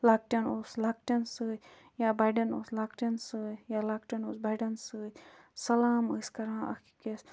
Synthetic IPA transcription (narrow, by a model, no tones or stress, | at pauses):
laːk̚ʈɐnoslaːkʈɐnsɨ | jaːbaɖɐnoːslaːkʈɐnsɨjaːlaːkʈɐnoːsbaɖɐnsɨ | sɐlaːmɨskɐɾãːɐ̰kikes